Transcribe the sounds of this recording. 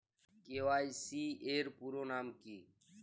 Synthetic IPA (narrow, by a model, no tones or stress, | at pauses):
keːʋaːiːsiːeːɾpuːɾoːnaːmkiː